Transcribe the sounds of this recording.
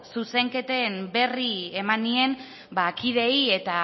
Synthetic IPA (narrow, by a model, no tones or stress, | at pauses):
suse̞ŋke̞t̪e̞mbe̞rie̞manie̞m | bakiðe̞ie̞t̪a